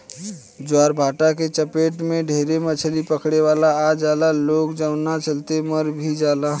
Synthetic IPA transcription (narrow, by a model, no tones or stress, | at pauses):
d͡ʒwaɾbʱaʈaket͡ʃəpeʈmeɖʱeɾemət͡ʃʰəlipəkʰɽeʋalaːd͡ʒalalokd͡ʒənat͡ʃəlt̪eməɾbʱid͡ʒala